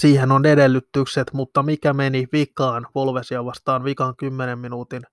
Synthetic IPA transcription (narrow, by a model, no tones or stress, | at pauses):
siːhenonedelːyt̪ːykset̪mut̪ːɑmikæmeniʋikɑːnpolʋesiɑʋɑst̪ɑːnʋikɑŋkymːenemminuːt̪in